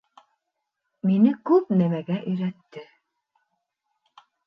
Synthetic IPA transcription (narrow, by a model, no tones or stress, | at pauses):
minɘkʉp̚næmæɡæʔɵ̆jɾæt̪ːɘ